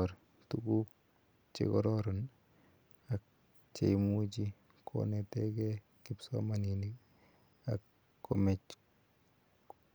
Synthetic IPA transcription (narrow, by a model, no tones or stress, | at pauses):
ɾ | tukuk̚ | t͡ʃḛkɔɾɔɾɔn | ak̚ | t͡ʃḛjmut͡ʃi | kʰo̰nɛtɛkɛ | kipsɔ̰maninik | a̰kː | omɛt͡ʃ